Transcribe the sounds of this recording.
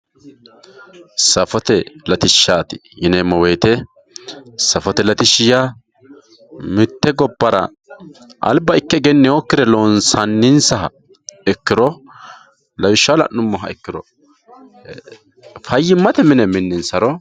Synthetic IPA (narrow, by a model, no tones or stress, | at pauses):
sɐfɔt̪ɛlɐt̪ɪʃːaːt̪ɪ̥jɪnɛmɔweːt̪ɛ | sɐfɔt̪ɛlɐt̪ɪʃɪja | mɪt̪ːɛɡɔbːɐɾɐ̰ | ʔɐ̰lbɐɪkːɛɡɛnːɛokːɪɾɛloːnsɐnːɪnsɐhɐ̰ | ɛkːɪɾɔ | lɐjɪʃːalɐ̰ʔnnːʊmːɔɦɐɛkːɪɾɔ | fɐjːɪmːɐt̪ɛmɪnɛmɪnːɪnsɐɾɔ